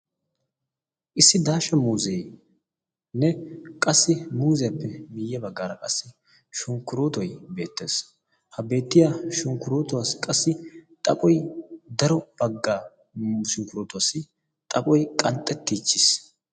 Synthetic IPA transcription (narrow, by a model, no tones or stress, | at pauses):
ʔɪsːɪd̪aːʃɐmuːzej | nɛkʼɐsːɪmuːzɛjɐpːɛmɪjːɛbɐɡːaːɾɐkʼɐsːɪ | ʃʊŋkːʊɾoːt̪ɔjbe̞ːt̪ːḛːs | hɐbe̞ːt̪ːɪjaːʃʊŋkːʊɾoːt̪ʊwaːskʼɐsːɪt̪ʼɐpʼɔjd̪ɐɾɔb̥ɐɡːaː | ʃʊŋkːʊɾoːt̪ʊwaːsɪ | t̪ʼɐpʼɔjkʼɐnt̪ʼːɛt̪ːiːt͡ʃːɪs